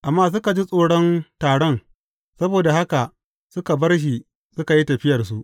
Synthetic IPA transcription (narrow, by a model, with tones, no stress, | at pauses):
ʔa˨mːaː˦s̬ʊ˦ka˨d͡ʒi˦sʼoː˦ɽɔ˦ntaː˨ɽɔ˦n | sɐ˦boː˨da˨ha˦ka˨ | sʊ˦ka˨bɐ˦rʃ̬i˨ | sʊ˦ka˨ji˦tɐ˨ɸɪ˦jɐ˨rs̬u˦ʔ